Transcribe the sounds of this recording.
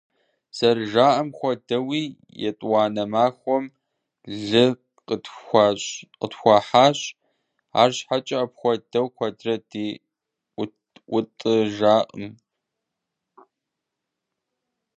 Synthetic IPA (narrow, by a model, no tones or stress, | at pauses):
sɐrʒaːʔɐmxʷɔdɐwiː | jɛ̰tʼwɑːnɐmaːxʷɔm | ɮɨ | ɕqətxʷɑːħaːɕ | a̰ːrɕħat͡ʃʼɐɐpxʷɔdɐwxʷɐdrɐdiː | ʔʷʊtʼɨʒaːʔʼəm